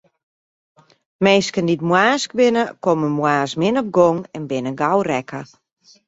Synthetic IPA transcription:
meːskənditmwaːsk̚bɪnəkoməmwaːsmɪnɔp̚ɡoŋɛnbɪnəɡawrɛkʰə

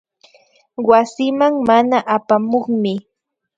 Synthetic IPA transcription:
wasɪmaŋmanaʔapamoχmɪ

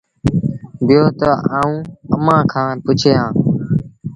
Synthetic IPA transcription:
bɪjoːt̪əaːũːəmãːkʰãːpʊt͡ʃʰeːãː

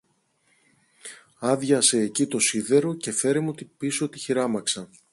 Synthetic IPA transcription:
ɐðʝɐse̞ːcit̪o̞siðe̞ɾo̞ce̞fe̞ɾemuot̪ipisoot̪içiɾɐmɐksɐn

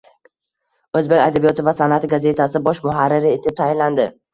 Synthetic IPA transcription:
ɵzbe̞kʲad̪abijɒt̪ʰɪvasanat̪ɪɡaze̞t̪ʰasɪbɒʃmʊɦaɾːɪɾɪe̞t̪ʰɪp̚t̪ʰajɪnland̪ɪ

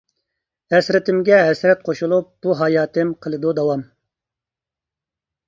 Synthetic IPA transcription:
ɛsɾɪt̪ʰɪmɡʲɛɦɛsɾɛt̪̚qʰoʃulˠup̚b̥uɦɑːjɑːt̪ʰɪmqʰəlˠɨd̪ud̪ɑwɑm

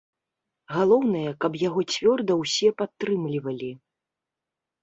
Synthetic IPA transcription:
ɣalˠɔwnɐjɐkɐpjaɣɔt͡sʲvʲɔrd̪ɐwsʲɛpat̪ːɾɨmlʲivɐlʲi

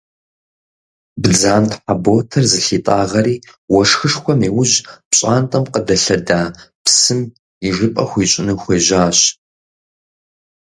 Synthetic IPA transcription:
bd͡zaːntħaboːtʰɐrzɨɬiːtʼaːʁɐɾiː | wɔʂxɨʂxʷɔmiːwʊʑpɕʼaːntʼɐmqədɐɬɐdaːpsɨm | iʐɨpʼɐxʷiːɕʼɪnɨxʷeːʑaːɕ

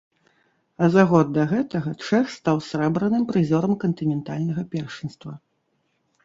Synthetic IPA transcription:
ɐzaɣɔd̪ːɐɣɛt̪ɐɣɐt͡ʂɛxst̪awsʲɾɛbɾɐnɨmpɾɨzʲɔɾɐmkɐnt̪ɨnʲɛnt̪alʲnɐɣɐpʲɛrʂɨnst̪vɐ

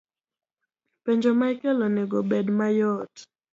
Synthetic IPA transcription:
peɲd͡ʒomaikɛlɔneɡɔbedmajɔt

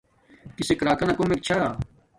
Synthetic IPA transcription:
kɪsekɾaːkɐnakomek̚t͡ʃʰaː

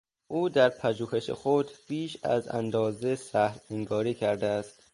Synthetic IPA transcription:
ʔuːd̪æɾpʰæʒuːhe̞ʃḛxod̪b̥iːʃæ̰zæ̰nd̪ɒːzesæhɾheŋɡɒːɾiːcʰæɾd̪eæst̪

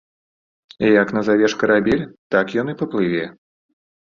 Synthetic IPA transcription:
ijɐkn̪ɐzavʲɛʂkɐɾabʲilʲt̪akjɔnɨpɐplˠɨvʲɛ

